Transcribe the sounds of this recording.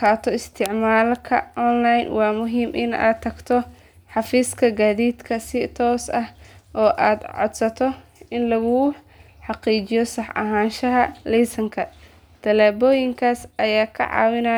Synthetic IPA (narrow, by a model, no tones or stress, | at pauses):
kʰaːt̪ʰɔɪst̪ʰɪʕmaːlkʰɐʔɔnlajnwɑːmʊɦiːmʔɪ̰na̰ːd̪̚t̪ʰːɐɡt̪ʰɔ | ħɑfiːskʰɐɡaːðiːd̪kʰɐsɪt̪ʰɔːsɐhʔɔːʔaːd̪ʕɔ̰d̪sɐt̪ʰɔɪnlɐɣʊ | ħɑqiːt͡ʃɪjɔsɑħɐ̰ɦaːnʃɐɦɐlɛːsɐŋkʰɐ | d̪̥ʰɐlɛːbɔːjɪŋkʰaːsʔɐjaːkʰɐ̰ʕɑ̰ːwɪna